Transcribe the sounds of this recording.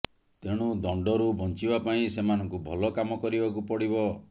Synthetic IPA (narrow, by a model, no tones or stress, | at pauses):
t̪eɽ̃ud̪ɔɳɖɔɾubʱɔnt͡ʃibapaĩsemanɔŋkubʱɔlɔkamɔkɔɾibakupɔɽiβɔ